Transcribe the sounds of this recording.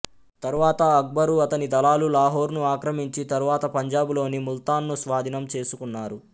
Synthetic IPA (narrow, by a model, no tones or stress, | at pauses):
t̪ɐɾuʋaːt̪ɐːk̚bɐɾuɐt̪ɐnid̪ɐlaːlulaːɦoːɾnuaːkɾɐmiɲt͡ʃit̪ɐɾuʋaːt̪ɐpɐɲd͡ʒaːbulo̞ːnimult̪aːnːusʋaːd̪ʱinɐmt͡ʃe̞ːsukunːaːɾu